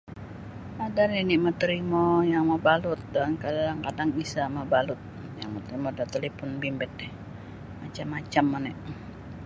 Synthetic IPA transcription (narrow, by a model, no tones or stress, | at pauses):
adaliniʔmat̪ɾimojaŋmabalʊt̪̚dankadaŋkadaŋisamabalʊt̪̚ | jaŋmat̪ɾimodat̪əlipʊnbimbɛt̪̚ɛ | mat͡ʃamat͡ʃamːanɛʔ